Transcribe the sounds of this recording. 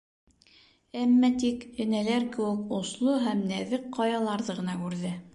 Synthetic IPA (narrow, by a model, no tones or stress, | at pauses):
æmːæt̪ikɘ̆nælæɾkɘ̆wɘ̆kŏslˠoɦæmnæðɘqqːɑjɑlˠɑɾðɤʁɤ̆nɑkʉɾðɘ